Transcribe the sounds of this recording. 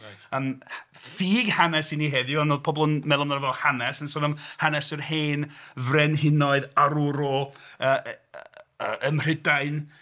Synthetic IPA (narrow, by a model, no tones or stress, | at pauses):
əːm | fiːɡhanɛsiniɦɛðjʊanoːd̥̚pʰɔbɔlˠənmɛlˠɔmnaɾəvɛlˠhanɛsənsoːðɔmhanɛsɨrheːnvrɛnɦɪnɔɨðaɾuɾɔəː | əʔəmr̥ɪdaɨn